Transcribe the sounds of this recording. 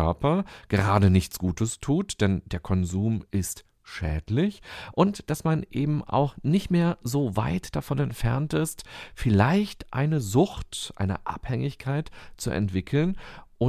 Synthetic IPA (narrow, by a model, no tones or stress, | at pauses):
œɐpɐɡ̥əʁaːdənɪçt͡sɡ̥uːtəstʰuːtd̥ɛndeːɐkʰɔnzuːmʔɪst | ʃɛ̰ːtlɪçʔʊntd̥asmanʔeːbm̩ʔa̰ʊxnɪçtmeːɐzoːva̰ɪtd̥afɔnɛntfɛɐntɪstfɪlaɪçtʔa̰ɪnəzʊxtʔa̰ɪnə̰ʔa̰phɛŋɪçkʰaɪtt͡suʔɛ̰ntv̥ɪkʰl̩nʔʊ